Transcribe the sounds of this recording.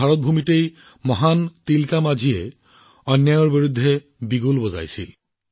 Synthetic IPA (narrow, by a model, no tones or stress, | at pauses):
aɹɔt̪̚bʱumitej | mɔɦant̪ilkamazʱiɛ | ɔnjajɔɹbiɹud̪ʱːɛ | biɡulbɔza̰jsḭ